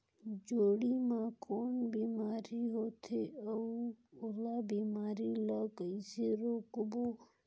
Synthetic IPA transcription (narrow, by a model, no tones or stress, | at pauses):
d͡ʒoːɽimãkʰoːnbiːmaːɾiɦoːt̪ʰeəuʊlabiːmaːɾilakəiseɾoːkbo